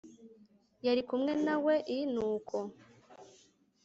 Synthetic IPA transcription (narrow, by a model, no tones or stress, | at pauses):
jaɾikumŋe̞nawe̞ʔinuːkʰo